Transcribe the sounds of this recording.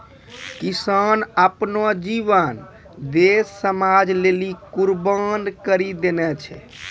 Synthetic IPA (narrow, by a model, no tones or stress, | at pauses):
kisənəpnod͡ʒiʋən | d̪esːəmad͡ʒlelikuɾbənd̪kəɾid̪enɛt͡ʃʰɛ̰